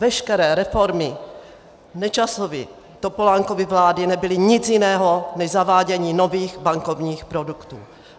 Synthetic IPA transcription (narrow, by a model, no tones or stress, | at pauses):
vɛʃkɛɾɛːɾɛfoɾmɪ | nɛt͡ʃasovɪ̰ | t̪opo̞laːŋkovɪvlaːdɪnɛbɪlɪɲɪt͡sjɪnɛːɦonɛʃzavaːɟɛɲiːnoviːxbaŋko̞vɲiːxpɾodukt̪ṵː